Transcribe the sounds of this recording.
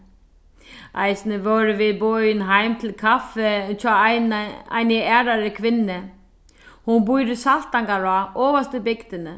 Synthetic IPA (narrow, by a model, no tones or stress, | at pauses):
ʔa̰jsnɪvɔːɾɪvɪðbɔjɪnɦajmt̪ʰɪlkʰafɛt͡ʃʰa | a̰jnɪɛːɾaɾɪkʰʋɪnːɪ | hunbujɾʏsal̥t̪aŋkaɾaʔɔːvast̪ɪbɪkt̪ɪnɪ